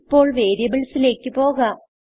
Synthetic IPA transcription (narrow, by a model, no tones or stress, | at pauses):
pːo̞ːɭʋe̞ːɾjɐbiɭsile̞ːkːɨpo̞ːɣɐ